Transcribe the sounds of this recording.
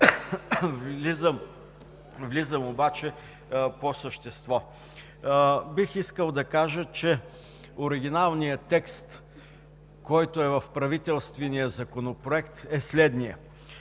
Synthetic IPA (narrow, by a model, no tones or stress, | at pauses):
vlizəm | vlizəmobat͡ʃɛ | posəʃt̪ɛst̪vɔ | bixiskəlˠd̪ɐkaʒət͡ʃɛ | oɾɪɡ̟ʲinalˠnijət̪ɛkst̪ | kɔjt̪oɛvɐfpɾɐvit̪ɛlˠst̪vɛnijəzɐkonopɾoɛkt̪ɛslɛd̪nijə